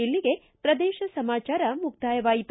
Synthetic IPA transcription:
elːiɡe̞ | pɾɐd̪ɛːʃɐsɐmaːt͡ʃaːɾɐmuk̚t̪aːjɐʋaːjit̪

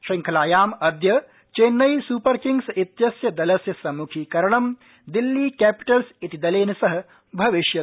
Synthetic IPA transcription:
ʃɐŋkʰɐlaːjaːmɐd̪jɐ | t͡ʃeːnːɐjsuːpɐɾkiŋɡsit̪jɐsjɐd̪ɐlɐsjɐsɐmukʰiːkɐɾɐɳɐm | d̪ilːiːkæːpi̥ʈɐlsit̪id̪ɐleːnɐsɐɦɐ̆ | bʱɐʋiʃjɐ

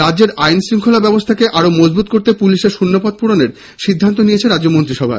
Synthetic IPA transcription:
ɾadd͡ʑeɾajnsɾiŋkʰolabɛbost̪ʰakeʔaɾomod͡ʑbut̪̚koɾt̪epuliʃeɾʃunːopɔd̪̚puɾoneɾ | ʃid̪ʱːant̪onijet͡ɕʰeɾad͡ʑd͡ʑomont̪ɾiʃɔbʱa̰

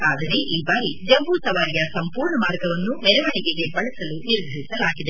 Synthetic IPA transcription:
aːd̪ɐɾe̞ʔiːbaːɾid͡ʒɐbuːt̪ɐʋaːɾijɐsɐmpuːɾɳɐmaːɾɡɐʋɐnːumɛɾɛʋɐɳiɡeɡe̞bɐɭɐsɐluniɾd̪ʱɐɭisɐlaːɡid̪e

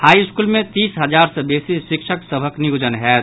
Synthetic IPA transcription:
haːiɪskuːlmẽt̪iːsɦəd͡ʒaːɾsebeːsiʃɪkʃʰəksəbʱəkniud͡ʒənɦɛ

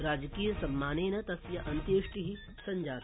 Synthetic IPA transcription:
ɾaːd͡ʒkiːjɐsɐmːaːneːnɐt̪ɐsjɐʔɐnt̪jeːʂʈiɦi | sɐɲd͡ʒaːɾ

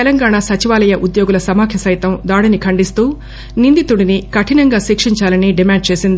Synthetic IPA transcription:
ɛlɐŋɡaːɳasɐt͡ʃiʋaːlɐjɐʔud̪joːɡulɐsɐmaːkʰjɐsɐjt̪ɐmd̪aːɽinikʰɐɳɖist̪uː | nind̪it̪uɽinikɐʈʰinɐŋɡaːʃiːkʂiɲt͡ʃaːlɐniɖimaːɳɖ̚t͡ʃeːsind̪i

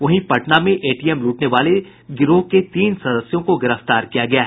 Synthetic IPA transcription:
ʋɐɦĩpɐʈnamẽʔeːʈiːɛmluːʈneʋaːle | ɡɪɾoket̪iːnsɐd̪əsjõkoɡɪɾəft̪aːɾkijaɡɐjaɦ

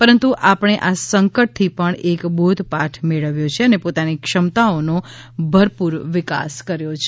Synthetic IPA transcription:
pəɾənt̪uʔapəɳ̃eʔasəŋkəʈ̚t̪ʰipəɳekbod̪ʱpaʈʰmeɭəʋjot͡ʃʰeənepot̪anikʃəmt̪aono | bʱəɾpuɾʋɪka̰skəɾjot͡ʃʰe

